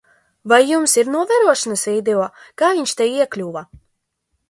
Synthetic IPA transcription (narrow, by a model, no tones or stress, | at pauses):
vajːumsiɾnuɔvʲæɾuɔʃanasiːd̪eɔːkaːviɲʲʃt̪ɛjiɛklʲuːva